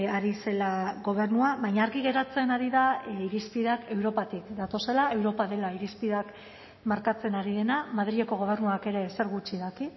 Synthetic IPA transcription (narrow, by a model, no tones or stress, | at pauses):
aɾise̞laɣo̞β̞e̞ɾnuaβajɲaːɾɣiɣ̞e̞ɾat͡se̞naɾiðaiɾispiðake̞wɾo̞pat̪ikd̪at̪o̞se̞lae̞wɾo̞paðe̞laiɾispiðak | maɾkat͡se̞naɾiðe̞namað̞ɾieko̞ɣo̞β̞e̞ɾnuake̞ɾe̞se̞ɾɣut͡ʃiðaki